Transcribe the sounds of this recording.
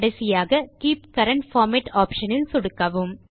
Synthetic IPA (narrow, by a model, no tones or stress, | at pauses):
ɽɐɪsɪjaːɣɐkiːp̚kɐɾɐɳʈfaːɾmɛʈaːpʃɐnɪlsʊɽɯkːɐʋɯm